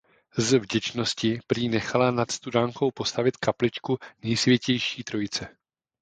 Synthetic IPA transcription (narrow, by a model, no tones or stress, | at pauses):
zvɟɛt͡ʃno̞scɪpɾiːnɛxalanat̪st̪udaːŋko̞wpo̞st̪avɪt̪kaplɪt͡ʃkunɛjsvʲjɛcɛjʃiːt̪ɾo̞jɪt͡sɛ